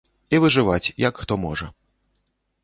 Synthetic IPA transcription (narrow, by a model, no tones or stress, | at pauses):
ivɨʐɨvat͡sʲjɐkxt̪ɔmɔʐɐ̰